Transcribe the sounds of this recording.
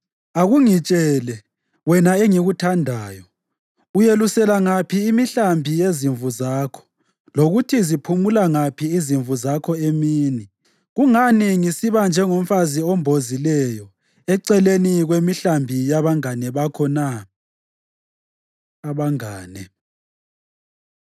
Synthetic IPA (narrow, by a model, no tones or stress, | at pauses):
aɣuŋit͡ʃʼɛːlɛ | wɛnaeŋiɣutʰandʱaːjɔ | ujelusɛlaŋapʰiːmiɬambʱijeziɱvuzaːkʰɔ̥ | loɣutʰizipʰumulaŋapʰiːziɱvuzakʰɔemiːni | ɣuŋaniŋisiβand͡ʒʱɛŋom̩faziombʱozilɛjɔ | ɛǀɛleniɣwemiɬambʱijaβaŋanɛβakʰɔna | βaŋaːnɛ